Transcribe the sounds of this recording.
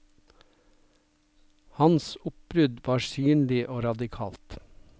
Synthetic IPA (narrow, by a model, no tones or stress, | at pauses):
hɑnsʊp̚bɾʉd̪ʋɑːsyːnlɪʔoːɾɑd̪ɪkʰɑ̰ːlt̪